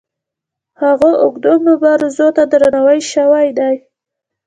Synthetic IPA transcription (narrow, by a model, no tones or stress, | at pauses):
haɣoʔʊɡd̪omʊbaɾzot̪ad̪əɾanawəjʃawajd̪aj